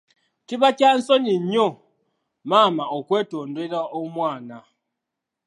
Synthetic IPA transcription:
tibat͡ʃan̩sɔɲiɲɔ | mamaɔkwɛtondeɾaomwana

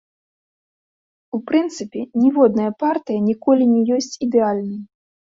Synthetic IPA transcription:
upɾɨnt̪sɨpʲɛnʲɛvɔd̪̚nɐjɐpart̪ɨjɐnʲikɔlʲinʲɛjɔsʲt͡sʲid̪ɛalʲnɐj

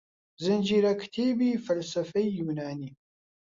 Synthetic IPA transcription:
zɨnd͡ʒiɾakʰt̪ʰiːbifɐlsɐfɐjjunaːni

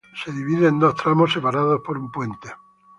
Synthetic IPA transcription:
se̞ðiβiðeːnd̪o̞st̪ɾamose̞paɾað̞ospo̞ɾumpwe̞nt̪e

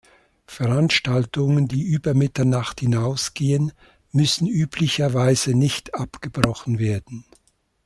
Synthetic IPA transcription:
fɛʁanʃtaltʊŋəndiːʔyːbɐmɪtɐnaχthɪnaʊsɡ̥eːən | mʏsn̩yːpʰlɪçɐvaɪz̥ənɪçtʔapɡ̥əbʁɔχn̩veːɐdn̩

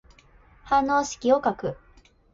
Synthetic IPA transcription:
hãnːo̞ːɕi̥kʲio̞kakɯ̟

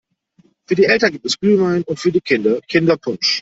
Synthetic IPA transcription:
fyːɐdiːʔɛltɐnɡiːp̚tɛsɡ̥ʁyːvaɪnʊntfyːɐdiːkʰɪndɐkʰɪndɐpʰʊnʃ

